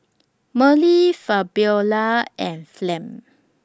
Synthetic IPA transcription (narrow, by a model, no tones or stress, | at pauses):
məlifabjɔlaɛ̃nflɛ̃m